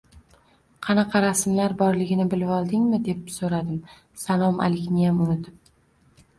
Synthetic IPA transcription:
qʰɑnɑqʰɑɾasɪmlaɾbɒɾlɪɡʲɪnɪbɪlɪpɒlˠd̪ɪŋmɪd̪e̞psoɾad̪ɪm | salˠɒmʔa̰lɪkʲnɪjamʊnɪt̪ʰɪp̚

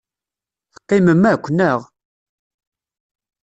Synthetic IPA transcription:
θqːɪməmːækʷːnəʁ

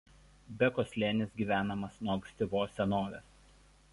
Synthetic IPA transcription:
bʲɛkoːsʲlʲeːnʲɪsɡʲiːʋʲæːnɐmɐsnoːksʲt̪ʲɪʋoːsʲɛnoːʋʲɛs

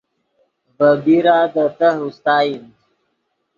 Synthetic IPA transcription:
bəbiɾad̪ət̪əɦust̪aːjin

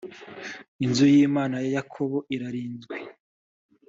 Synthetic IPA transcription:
inzujiːmaːnajajakʰo̞βo̞ʔiɾaɾiːnzɡwe

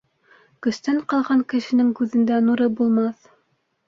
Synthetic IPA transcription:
kɵ̆st̪æɴqɑlˠʁɑŋkɘ̆ʃɘ̆nɘŋkʉðɘ̆nd̪ænuɾɤbulˠmɑθ

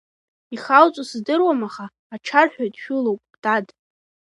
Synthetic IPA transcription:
iχalt͡sʷʼosɨzdɨrwamaχaːʈ͡ʂʰarħʷᶣojtʼʃᶣulowpʼdʼad

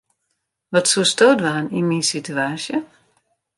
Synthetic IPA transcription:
ʋɔtsustoːdʋaːninminsityaːsjə

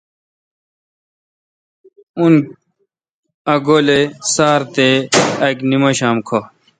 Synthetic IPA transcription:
un | ɐɡoːlesaːɾt̪eɐknimɐɕaːmkʰo

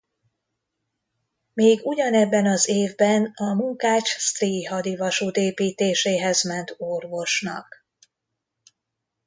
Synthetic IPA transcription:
meːɡuɟɒnɛbːɛnɒzeːvbɛnɒmuŋkaːt͡ʃst̪riːɦɒd̪ivɒʃuːt̪eːpiːt̪eːʃeːɦɛzmɛnt̪orvo̞ʃnɒ̰k

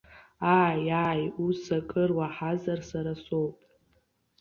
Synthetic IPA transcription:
aːjaːjusakʼɨrwaħazarsaɾasowpʼ

